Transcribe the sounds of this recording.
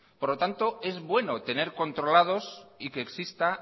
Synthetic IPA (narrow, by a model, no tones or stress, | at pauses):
poɾlo̞t̪ant̪o̞e̞zβwe̞no̞t̪e̞ne̞ɾko̞nt̪ɾo̞lað̞o̞sikeːksist̪a